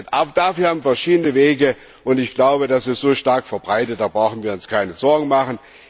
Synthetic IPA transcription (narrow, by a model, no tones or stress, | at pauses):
tʔaːbd̥aːfyːɐhaːbm̩fɛɐʃiːdənəveːɡə | ʔʊntɪçɡ̥laʊbədasɪstz̥oːʃtaɐkfɛɐbʁaɪtət̚d̥aːbʁaʊxn̩viːɐʊnskʰaɪnəzɔɐɡŋ̩maχən̩